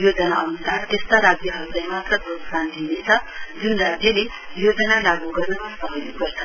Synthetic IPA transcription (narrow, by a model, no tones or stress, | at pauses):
jod͡zʌnaʔʌnusart̪est̪aɾad͡zjʌɦʌɾut͡saj̃mat̪rʌdʱoksand̪ʱinet͡sʰʌd͡zunrad͡zjʌle | jod͡zʌnalaɡuɡʌrnʌmasʌɦʌjupʌrt͡sʰʌn